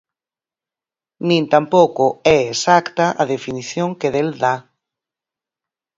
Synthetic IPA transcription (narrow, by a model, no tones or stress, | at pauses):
nĩnt̪ampokoɛesakt̪aʔaðefiniθjõŋkeðeld̪a